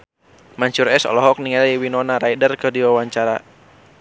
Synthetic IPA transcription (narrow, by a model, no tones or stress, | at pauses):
maɲt͡ʃuɾɛsɔ̰lɔɦɔk̚niŋaliwinɔnaɾaidərkədiwawaɲt͡ʃaɾa̰